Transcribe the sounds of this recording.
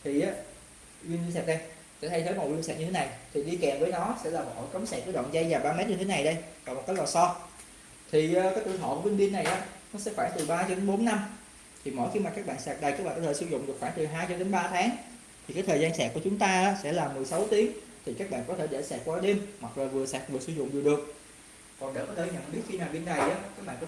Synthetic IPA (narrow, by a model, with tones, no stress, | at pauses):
t̪ʰi˨˩ʔaː˨˦ | wi˧nɓi˧nsɛː˨˩t̚ɗə˧j | t͡ɕɛ̰˧˥˩t̪ə˧jt̪ʰə˨˦mɔ˨˩wi˧nsɛ̰ː˧˩t̚ɲɨ˧t̪ʰe˨˦na˨˩jt̪ʰi˨˩ɗi˧kɛ˨˩mvəː˨˦jnɔ˨˦sɛ̰˧˥laː˨˩ɓɔ̰˧˨kə˨˦wmsɛ˨˩k̚kə˧˦ə̰˧˨wŋ͡mza˧jvaː˨˩ɓaː˧mɛ˦˥t̚ɲɨ˧t̪e˨˦na˨˩jɗə˧jkɔː˨˩m̚˨˩ka˦˥k̚laː˨˩sɔ˧ | t̪ʰi˨˩ʔəː˨˦kaː˨˦jt̪ɨ˧˨t̪ʰo̰˧˨ku˧˩˦wi˧nɓi˧ənːa˨˩jʔaː˨˦˥nɔ˨˦sɛ̰˧˥xwaː˧˩ŋt̪ɨ˨˩ɓaː˧t͡ɕɔ˧ɗe˨˦nɓo˨˦nːa˧m | t̪ʰi˨˩mɔ̰˧˥˨jxi˧maː˨˩kaː˦˥kɓa̰ː˧˨nsɛː˨˩k̚ɗə˨˩jkaː˦˥k̚ɓa̰ː˨˩kːt̪ʰːsɨ˧zʊ̰˧˨ŋ͡mɗɨ˨˩ək̚xwaː˧˩ŋt̪ɨ˨˩ɦaː˧jt͡ɕɔ˧ɗe˨˦nɓaː˧t̪ʰaː˨˦ŋ | t̪ʰi˨˩kaː˨˦˥jt̪ʰəː˨˩zaː˧nsɛː˨˩k̚u˧˩t͡ɕʊ˨˦ŋ͡mt̪aː˧ʔaː˨˦˥sɛ̰˧˥laː˨˩mɨ˨˩əjsa˨˦wt̪i˨˦əŋt̪ʰi˨˩kaː˦˥k̚ɓa̰ː˧˨nkɔ˨˦t̪ʰe˧˩ɗe˧˩sɛː˨˩t̚kwaː˧˦ɗe˧mmwa˨˩t̚zoː˨˩vɨ˨˩əsɛː˨˩k̚vɨ˨˩əsɨ˧zʊ̰˧˨ŋ͡mvɨ˨˩əɗɨ˨˩ək̚ | kɔ˨˩nɗḛ˧˩kɔ˨˦lə˧˦ɲə̰˧˨nɓi˨˦˥ək̚xi˧naː˨˩wɓi˧nːa˨˩jʔaː˨˦kaː˦˥k̚ɓa̰ː˧˨˩kɔ˧˦